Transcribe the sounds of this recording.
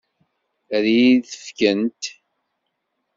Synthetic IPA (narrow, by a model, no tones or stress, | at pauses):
ɾjiðəfkənt̪